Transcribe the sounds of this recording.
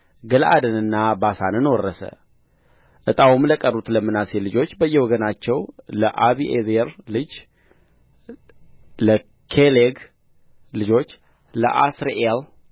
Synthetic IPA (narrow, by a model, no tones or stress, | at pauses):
ɡəlʔa̰d̪ənɨnːabasanɨnwɔrːəsə̰ | ʔɨt̪ʼawumləkʼərːut̪ləmːɨnaselɨd͡ʒo̞t͡ʃːbəjːɛwɔɡənat͡ʃːɛwləʔaβiʔezeɾlɨd͡ʒ | lə | kʰeleɡ | lɨd͡ʒo̞t͡ʃː | lə̰ʔasɾeʔel